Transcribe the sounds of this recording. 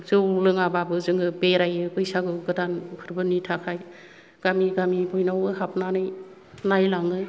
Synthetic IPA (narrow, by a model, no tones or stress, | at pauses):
zɯwlɯŋababɯzɯŋɯbeɾajɯɡɯjsaɡɯɡɯdanpʰɯɾbɯnitʰakʰaj | ɡ̥amiɡamibɔjnawɯɦap̚ʰnanɯj | najlaŋɯ